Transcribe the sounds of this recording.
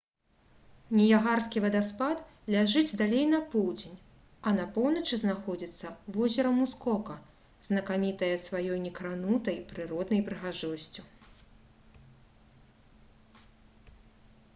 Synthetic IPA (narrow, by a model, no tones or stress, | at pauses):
nʲɛjaɣarskʲivɐd̪aspat̪ | lʲaʐɨd͡zʲd̪alʲejnɐpɔwd͡zʲenʲ | ɐnɐpɔwnɐt͡ʂɨznaxɔd͡zʲit̪sːɐvɔzʲɛɾɐmuskɔkɐ | z̥nɐkamʲit̪ɐjɐsvajɔjnʲɛkɾanut̪ɐjpɾɨɾɔd̪nɐjpɾɨɣaʐɔsʲt͡sʲu